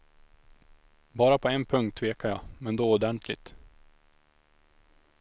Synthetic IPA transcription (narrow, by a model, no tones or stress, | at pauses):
bɑːɾapʰɔɛnpʰɵŋkt̪ʰːveːkaɾjɑːmɛnd̪oːʊd̪ɛnt̪ʰlɪ̰t̪